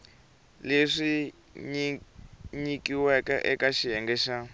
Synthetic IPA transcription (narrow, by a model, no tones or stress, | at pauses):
leʂi | ɲikiwɛkɛ̰ʔɛkaʃijɛŋɡɛʃa